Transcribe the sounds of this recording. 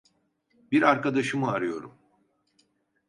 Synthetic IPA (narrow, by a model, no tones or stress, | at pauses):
biɾaɾkad̪aʃɯmɯaɾɯjo̞ɾum